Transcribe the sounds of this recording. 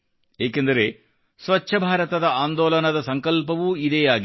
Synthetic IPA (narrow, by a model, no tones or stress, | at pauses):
eːkend̪ɐɾe̞ | sʋɐt͡ʃːʃʰɐbʱaːɾɐt̪ɐd̪ɐaːnd̪ɔːlɐnɐd̪ɐsɐŋkɐlpɐʋuid̪eːjaːɡi